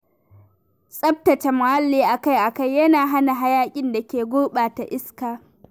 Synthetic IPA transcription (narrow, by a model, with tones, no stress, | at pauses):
sʼɐ˦p̚tɐ˨t͡ʃa˨ma˨ha˦lːiː˦ʔa˨ka˦jʔa˨ka˦˨jːɐ˦naː˨ɦa˦na˨ɦa˦jaː˦kʲʼɪ˦nda˨kʲeː˨ɡʷoː˦ɓaː˨ta˨ʔɪ˦skaː˨